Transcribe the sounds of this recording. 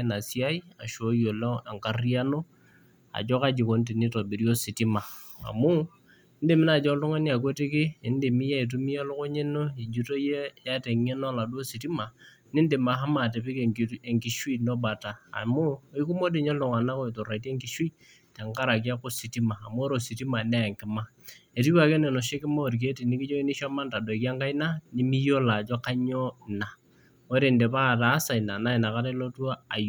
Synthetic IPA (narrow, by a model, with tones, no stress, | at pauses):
na˨si˦a˦i˦a˨ʃo˨˦jo˨lɔ˦a˨ŋka˨ri˦a˦no˦ | a̰˨d͡ʒɔ˦ka˦d͡ʒi˨ko˨˦n˦ti˨ni˦to˨bi˨ɾi˦o˦si˨ti˦ma˨ | a̰˨mʊ˦ | n̩˦de˨mɪ˦na˨d͡ʒɔ˦tu˦ŋa˦ni˦a˨k̬we˦ti˦kɪ˦e˨n˦de˨mi˦ja˦i˨t̬u˦mi˦a˦lo˦ko˦ɲe˦no˦i˨d͡ʒu˨˦to˦je˦ja˦te˨ŋe˦no˦la˨do˦si˨ti˦ma˨ | nɪ˦n˦de˨ma˨ɦa˦ma˨te˨pi˦ke˨ŋki˨ʃwi˦˨no˦ba˨ta̰ː˨mʊ˦i˦ku˦mo˦di˦˨ɲo˦lʊ˨ŋa˨na˦ko˦i˨to˨ɾa˨i˨te˦ŋki˨ʃwi˦ | tɛ˨ŋka˦ɾa˨k̬i˦a˦ko˦si˨ti˦maː˨mʊ˦ɾo˨si˨ti˦ma˨nɛ˦a˨ŋkɪ˨ma˦ | e˨ti˦wa˨ke˦ne˨no˨ʃe˦kɪ˦ma˦o˨ɾk̬e˦ti˨ni˦ki˦d͡ʒo˦i˦ni˦ʃa˦ma˦nta˨do˨i˨ka˦ŋka˦i˦na˦ni˦mi˦jo˦la˨d͡ʒɔ˦ka˦ɲo˦˨na˨ | o˦ɾe˨nde˨pa˦˨ta˨˦sa˨i˨na˨na˦i˨na˨ka˦ɾe˦lo˦twa˦a˨j